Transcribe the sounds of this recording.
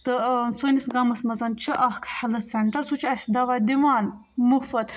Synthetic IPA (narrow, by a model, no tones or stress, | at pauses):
t̪ɨsonʲisɡɐmɐsmɐzɐnt͡ʃʰiʔɐhkʰħɐlɐt̪sɐɳʈɐɾsut͡ʃʰiɐsʲd̪ɐʋaːd̪iʋaːn | mufɐt̪